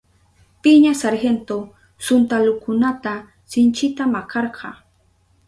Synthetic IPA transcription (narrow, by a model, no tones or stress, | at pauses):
pɪɲasaɾhent̪o | sʊnt̪alʊkʊnat̪a | sɪnt͡ʃɪt̪amakʰɑɾɢʰɑ̰